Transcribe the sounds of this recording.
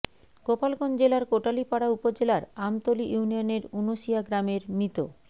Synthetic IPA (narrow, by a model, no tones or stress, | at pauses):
kopalkond͡ʑelaɾkoʈalipaɽaupod͡ʑelaɾamt̪oliʔuunijoneɾunoʃijaɡɾameɾmit̪o̰